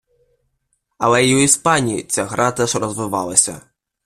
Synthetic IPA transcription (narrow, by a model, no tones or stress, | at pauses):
ɐlˠɛiwispanʲijit͡sʲaɣɾat̪ɛʂrɐzvɨva̰lˠɐsʲɐ̰